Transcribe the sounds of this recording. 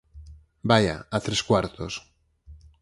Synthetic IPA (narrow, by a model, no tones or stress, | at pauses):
baja̰at̪ɾeskwaɾt̪os